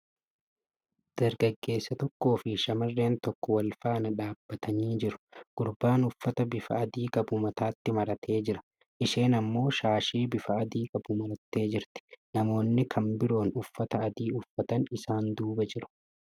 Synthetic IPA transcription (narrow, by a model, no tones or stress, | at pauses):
d̪̥ɐɾɡɐɡːe̞ːsːɐt̪ɔkːo̞ːfɪʃɐmɐrːe̞ːnt̪ɔkːɔwɐlfaːnɐᶑaːb̥ːɐt̪ʰɐniːd͡ʒɪɾʊ̥ɡ̥ʊɾbaːnʊfːɐt̪ɐbɪfɐʔɐd̪iːkʼɐbʊmɐt̪aːt̪ːɪmɐɾɐt̪ʰe̞ːd͡ʒɪɾɐ̥ | ʔɪʃe̞ːnɐmːo̞ːʃaːʃiːbɪfɐːd̪iːkʼɐb̥ʊmɐɾɐt̪ːe̞ːd͡ʒɪɾt̪ɪ̥nɐmo̞ːnːɪkʰɐmbɪɾo̞ːnʊfːɐt̪ɐʔːd̪iːʊfːɐt̪ɐnɪsaːnd̪uːbɐd͡ʒɪɾʊ̥